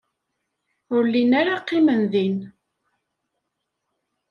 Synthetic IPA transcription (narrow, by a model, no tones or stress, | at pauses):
ʊɾlinaɾaqːimənðin